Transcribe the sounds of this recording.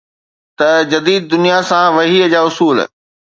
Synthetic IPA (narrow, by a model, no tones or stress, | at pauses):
t̪ɐd͡ʑɐd̪iːd̪̚ːʊnijasãʋɐɦiːd͡ʑaːʊsuːl̰